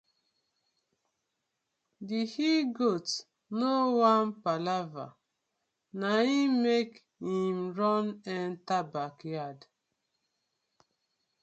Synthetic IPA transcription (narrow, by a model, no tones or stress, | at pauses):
dihiɡot | nowãnpalava̰ | naimek | himɾɔnɛntabakjad